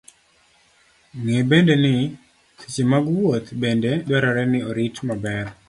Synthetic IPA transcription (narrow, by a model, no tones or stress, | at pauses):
ŋebendenɪ | ti̥t͡ʃimaɡwot̪bendedwɛɾaɾɛnɪoɾitmabɛɾ